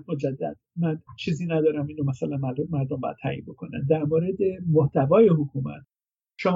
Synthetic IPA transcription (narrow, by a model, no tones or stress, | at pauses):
mod͡ʒæd̪ːæ̰d̪̥̚mænt͡ʃʰiːziːnæd̪ɒːɾæmiːnomæsælænæɾd̪omæɾd̪ombɒ̰jæ̰t̪t̪ʰæ̰ːʔḭnbo̞kʰonæ̰nd̪æɾmoɾed̪e̞moht̪ævɒːje̞ɦokʰuːmæ̰t̪ʰ | ʃɒ